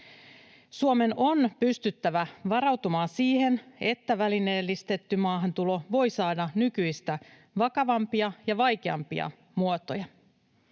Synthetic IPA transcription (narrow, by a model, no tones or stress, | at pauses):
suome̞no̞npyst̪yt̪ːæʋæʋɑɾɑwt̪umɑːsiːhe̞ne̞t̪ːæʋæline̞ːlːist̪e̞t̪ːymɑːɦɑnt̪ulo̞ʋo̞jsɑːdɑnykyjst̪æ | ʋɑkɑʋɑmpiɑjɑʋɑjk̟eɑ̰mpḭɑ̰ | muot̪o̰jɑ